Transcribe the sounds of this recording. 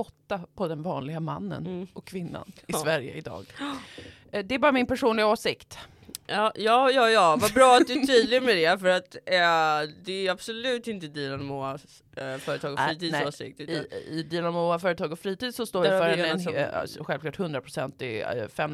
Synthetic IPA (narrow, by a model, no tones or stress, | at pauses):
ɔt̪ːapʰɔd̪ɛnvɑːnlɪɡama̰nːə̰nʔɔkʰːvɪnːa̰nɪsvæɾjə̰ɪd̪ɑ̰ːɡ | d̪ɛæbɑːɾamɪnpæʂuːnlɪɡaoːsɪkt̪ | ɑːjɑːjɑːjɑːvabɾɑːat̪d̪ɵt̪ʰyːd̪lɪɡmɛd̪ɛfœɾat̪ | d̪ɛæab̥sɔlʉ̟ːt̪ɪnt̪əd̪ilanmoa | fœːɾət̪ʰɑːɡɔfɾiːt̪ʰiːsoːsɪ̰k̚t̪ɪd̪ilanmoːafœːɾət̪ʰɑːɡɔfɾiːt̪iːd̪sɔst̪oːjjafœːɾəɛ̰ | ɧɛlvklɑːʈhɵnd̪ɾapʰɾʊ̥sɛnt̪ɪfɛm